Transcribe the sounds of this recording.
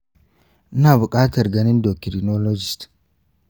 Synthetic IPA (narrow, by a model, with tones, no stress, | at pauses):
ʔɪ˦naː˨bʊ˨kʼaː˦tɐ˨ɾɡɐ˦nɪ˦ndo˨kɪ˨ɾi˨no˦lo˦d͡ʒɪ˨st